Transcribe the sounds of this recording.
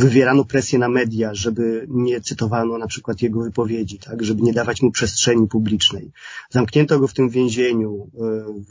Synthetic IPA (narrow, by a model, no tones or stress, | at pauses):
vɘvʲjɛɾanɔpɾɛsʲjɛnamɛd̪ʲjaʐɛbɘɲɛt̪sɘt̪ɔvanɔnapʂɘkwat̪jɛɡɔvɘpɔvʲjed͡ʑit̪ʰakʐɛbɘɲɛd̪avat͡ɕmupʂɛstʂɛɲipublʲit͡ʂnɛjzamkɲɛnt̪ɔɡɔft̪ɘmvʲjẽw̃ʑeɲu